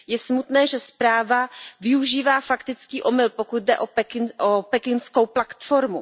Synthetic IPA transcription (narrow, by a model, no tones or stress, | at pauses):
jɛsmut̪nɛːʒɛspɾaːvavɪuʒiːvaːfakt̪ɪt͡skiːʔo̞mɪlpo̞kut̪̚dɛ̰ʔo̞pɛkɪnʔopɛkɪnsko̞wplat̪foɾmu